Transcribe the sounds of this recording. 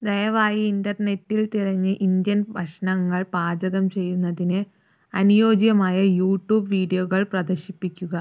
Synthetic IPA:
d̪ɐjɐʋaːjiindɐrne̞tːilt̪irɐɲːɨʔind̪jɐnbʱɐʂɐɳɐŋːɐɭpaːd͡ʑɐɣɐmt͡ɕe̞jːunːɐðinɨ | ɐnujo̞ːd͡ʑjɐmaːjɐjuːʈːuːbʋiːɖijoɣɐɭprɐd̪ɐrɕipːikʲːuɣɐ

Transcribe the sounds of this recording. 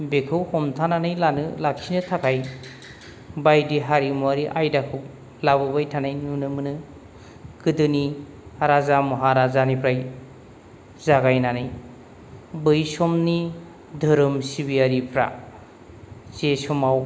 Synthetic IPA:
bekʰɯwhɔmtʰananɯjlanɯlak̚sinɯtʰakʰaj | bajdiɦaɾimuaɾiʔajdakʰɯw | labɯbajtʰanajnunɯmɯnɯ | kʰɯdɯni | aɾazamɔɦaɾazanipʰɾaj | zaɡajnanɯj | bɯjsɔmni | dʱɯɾɯmsibiaɾipʰɾa̰ | zesɔmaw

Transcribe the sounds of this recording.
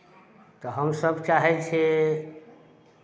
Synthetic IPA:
t̪ɔɦəmsəbʱt͡ʃaɦɛt͡ʃʰe

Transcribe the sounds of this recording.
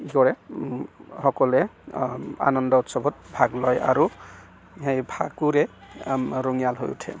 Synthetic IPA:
ikɔɹɛ | hɔkɔlɛ | a̰nɔndɔutsɔbʱɔt̚bʱaɡlɔja̰ɾu | ɦẽjbʱakuɾe | ɾoŋijalɦo̰jṵtʰḛ

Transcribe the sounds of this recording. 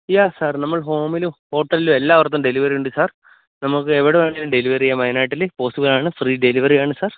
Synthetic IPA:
jaːsaːrnɐmːɐɭɦo̞ːmilumho̞ːʈːɐlilume̞lːaːʋɐrt̪̬ːumɖe̞liʋɐriuɳɖɨsaːr | nɐmukːɨe̞ʋiɽeʋeːɳɖilumɖe̞liʋɐrijɐmɐjnaːjʈːilepo̞ːsibɐlaːɳɨfriːɖe̞liʋɐrijaːɳɨsaːr

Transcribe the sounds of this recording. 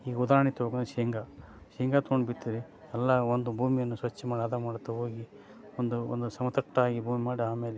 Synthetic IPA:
iːɡɐud̪aːɾɐɳit̪ɐɦoːɡɐnʃiŋɡa | ʃiŋɡaːt̪ooɳɖbiʈ̪ːiɾi | ɛlːɐond̪ubʱuːmijɐnːusʋɐt͡ʃːɐmaːɽaːd̪amaːɽut̪ːɐɦo̞ːɡi | ond̪uo̰nd̪usɐmɐt̪ɐʂʈɐaːɡibʱuːmimaːɽiaːme̞ːle

